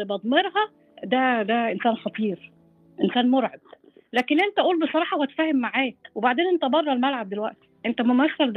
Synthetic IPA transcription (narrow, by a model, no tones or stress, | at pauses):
ebɑd̪ˤmeɾhɑ | d̪æd̪æʔensæːnxɑt̪ˤiːɾ | ʔensæːnmoɾʕed̪̥ | læːkenʔent̪æʔuːlbesˤɑɾˤɑːħɑwhæt̪e̥fæːhemːaʕaːwebaʕd̪eːnʔent̪æbɑrˤːɑlmælʕab̚d̪elwæʔt̪i̥ʔent̪æmomæθːæld̪